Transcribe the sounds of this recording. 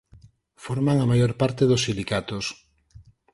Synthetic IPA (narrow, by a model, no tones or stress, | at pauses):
foɾmaŋamajoɾpaɾt̪eðʊsːilikat̪os